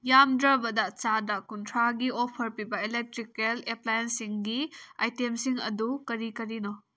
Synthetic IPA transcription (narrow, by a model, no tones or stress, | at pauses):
jamdɾɐbɐdɐt͡ʃadɐkuntʰɾaɡiopʰɐɾpibɐelek̚tɾikeleplajensiŋɡia̰jtemsiŋɐ̰dukɐɾikɐɾino